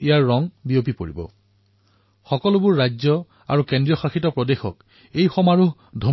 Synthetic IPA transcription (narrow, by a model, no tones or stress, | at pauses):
ijaɹːɔŋbiopipoɹibɔ̰ | xɔkɔlʊbʊɹːad͡ʒɔ | a̰ɹukendɹijɔxaxitɔpɹɔdexɔ̰k | ejxɔmaɹu | dʱo